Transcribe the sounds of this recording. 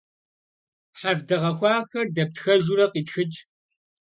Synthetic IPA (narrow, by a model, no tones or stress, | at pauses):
ħavdɐʁɐxʷɑːxɐrdɐp̚txɐʒuɾɐqiːtxɨt͡ʃʼ